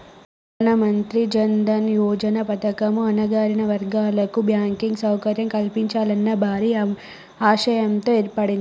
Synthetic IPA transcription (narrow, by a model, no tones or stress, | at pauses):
pː | nɐmɐnt̪ɾid͡ʒɐnd̪ɐnjɔːd͡ʒɐnɐpɐt̪ɐkɐmuɐnɐɡaːɾinɐʋɐɾɡaːlɐkubjaːŋkiŋɡsɐwkɐɾjɐmkɐlpiɲt͡ʃaːlɐnːɐbʱaːɾi | aːʂɐjɐnt̪o̞ːeːɾpɐɽind̪i